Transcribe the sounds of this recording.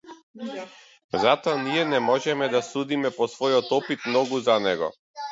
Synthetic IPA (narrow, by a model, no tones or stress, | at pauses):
zat̪ɔaniɛnɛmɔʒɛmɛd̪asud̪imɛpɔsvɔjɔt̪ɔpit̪mnɔɡuzanɛɡɔ̰